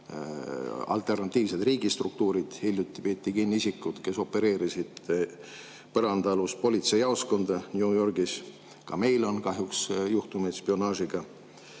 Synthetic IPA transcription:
ɑ̰lt̪e̞rnɑt̪ʲˑːiːvse̞d̪riːɡist̪ruk̚t̪uːɾid̪̥hilʲjut̪ːˑipeːt̪ʲːˑikinːiisikːˑud̪̥ke̞so̞pːe̞ɾe̞ːɾisid̪̥ | pɤɾɑnd̪̥ɑluspo̞lʲit̪se̞jɑosko̞nd̪̥ɑnʲjujo̞rɡis | kɑme̞jlo̞nkɑɦjuksjuht̪umespio̞nɑːʃiɡ̥ɑ

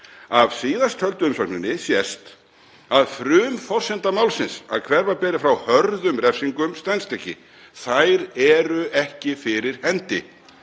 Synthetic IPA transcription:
av̥siːðast̪hœlt̪ʏʏmsɔknɪnːɪsjɛst̪ | aðfɾʏːmfɔrsɛnt̪amaːwlsɪnsa̰ðkʰvɛɾvaɾpɛːɾɪfɾawhœɾðʏmɾɛfsiŋkʏmst̪anst̪ɛhcːɪ̰ | θajɾɛɾʏʔɛhcɪfɪɾɪɾ̥hɛnt̪ɪ̰

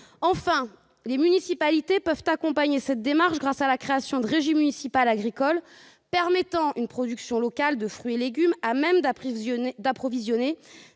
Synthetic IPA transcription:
ɑ̃fɛ̃ | lemynisipalit̪epœvt̪akɔ̃paɲesɛt̪̚d̪emaʁʃɡʁasalakχeasjɔ̃d̪əʁeʒimːynisipalaɡʁikɔl | pɛʁmɛt̪ɑ̃ynpχɔd̪yksjɔ̃lɔkald̪əfχɥieleɡʲymamɛmd̪ | d̪apχɔvizjɔne

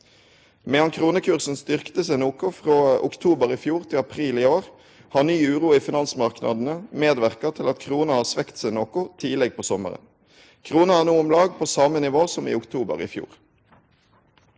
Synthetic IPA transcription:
mɛɑnkʰʁuːnəkʰʉʁsn̩st̪ʏʁkt̪əsɛɪnuːkʊfʁoːʊ̰kt̪ʰuːbəʁiːfjuːʁt̪ʰɪlɑpʰʁiːliːoːʁ | hɑːnyːʉːʁuːiːfɪnɑnsmɑʁknʔɑ̰d̪n̩əmeːd̪ʋæʁkɑt̪ʰɪlɑt̪kʰʁuːnəhɑːsʋɛkt̪sæɪnoːkʊt̪ʰiːlɛɡ̚pʰoːsɔmə̰ʁə̰n | kʰʁuːnəæːʁnuːʊmlɑːɡ̚pʰoːsɑmənɪʋoːsɔmḭːʊkt̪ʰuːbə̰ʁḭfjṵːʁ

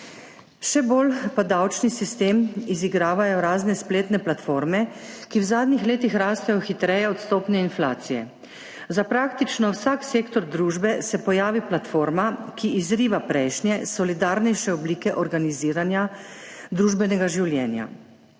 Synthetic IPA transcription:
ʃɛboːlpad̪awt͡ʃnisist̪eːmiziɡɾaːʋajɔɾaːznɛspleːt̪nɛplat̪foːɾmɛkiwzaːd̪nixleːt̪ixɾaːst̪ajɔxit̪ɾɛjɛɔt̪st̪oːpnɛinflaːt̪sijɛ | zapɾaːkt̪it͡ʃnɔwsaːkseːkt̪ɔɾd̪ɾuːʒbɛsɛpɔjaːʋiplat̪foːɾmakiizɾiːʋapɾɛjʃnjɛsɔlid̪aːɾnɛjʃɛɔbliːkɛʔɔɾɡaniziːɾanjad̪ɾuːʒbɛnɛɡaʒiwljɛːnja̰

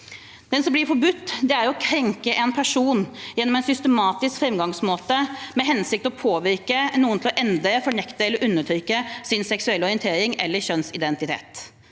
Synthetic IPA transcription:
d̪̥ɛnsɔmblɪɾfɔɾbʉt̪ːd̪ɛæɾjɔkʰɾɛŋkəʔɛnpʰæʂuːnjɛnːɔmɛnsʏst̪əmɑːt̪ɪskfɾɛmɡɑŋsmoːt̪əmɛɦɛnsɪk̚t̪ɔpʰoːʋɪɾkənuːənt̪ʰɪlɔʔɛnd̪ɾəfɔɳɛkt̪əɛlːəɾʔʉnːəʈ̪ʰɾʏkːəsɪnsɛksʉɛlːɔɾɪɛnt̪ʰeːɾɪŋɛ̰lːəçœnsɪd̪ɛnt̪ɪt̪ʰḛːt̪

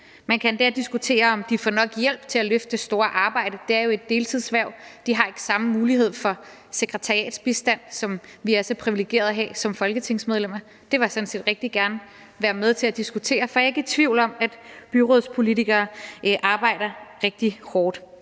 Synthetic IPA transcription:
mænkʰænd̥æɐd̥isɡ̥ut͡sʰe̝̰ːɐɒ̽md̥ifɒnɒ̽ɡ̥jel̰b̥t͡sʰe̝læløfd̥əsd̥o̝ːɐʔɑ̈ːb̥ɑ̈ɪ̰ɾ̥əd̥e̝æɐjo̝e̝d̥ːe̝ːlt͡sʰið̞̰ˠsʋæɐʊ̰d̥iɦɑ̈e̝ɡ̥ə̥sɑ̈məmuːliɦe̝ð̞̰ˠfɒ̽ | se̝ɡ̥ʁɛt͡sʰɑ̈ʁiɛ̰ːd̥sb̥isd̥æn̰sɒ̽mʋiæɐsɒpʰʁiʋileɡ̥e̝̰ːɐðˠɦɛ̰ːsɒ̽mfɒ̽lɡ̥ət͡sʰe̝ŋ̰smeð̞ˠlem̰ɐ | d̥e̝ʋɑ̈snse̝̰ːd̥ʁeɡ̥̚d̥iɡ̥æɐnə | ʋæːɐmeðˠt͡sʰe̝læd̥isɡ̥ut͡sʰe̝̰ːɐfɒ̽e̝ɡ̥æt͡sʰʋiʊ̰l̩ɒ̽mæd̥b̥yʁoðˠspʰo̝lit͡sʰiɡ̥ɐːʔɑ̈ːb̥ɑ̈ɪ̰ɾ̥ɐʁeɡ̥̚d̥ihɒːd̥

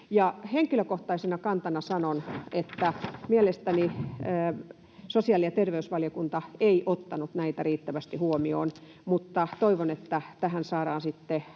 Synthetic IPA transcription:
jɑheŋkiløkoht̪ɑisenɑkɑnt̪ɑnɑsɑnonet̪ːæmielest̪æniəː | sosiɑˑljɑt̪erʋeysʋɑljokunt̪ɑeiʔot̪ːɑnut̪næit̪æriːt̪ːæʋæst̪ihuomio̰ːn | mut̪ːɑt̪oiʋonet̪ːæt̪æhænsɑːɾɑːnsit̪ːe

